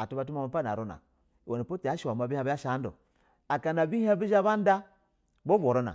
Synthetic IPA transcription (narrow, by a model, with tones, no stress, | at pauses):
a˨tu˦ba˦t̬u˦ma˦ma˦pa˦˨na̰˨ɾo˦na̰˨ | wo˨ni˨po˦ti˨a˦ʃi˨a˨ma˨bi˦a˦ba˦a˦ʃa˦n˦do̰˨ | a˨ka˨na˨bi˦ha˦bi˦d͡ʒa˦ba˦n˦da˦ | bo˦bo˨ɾo˦na̰˨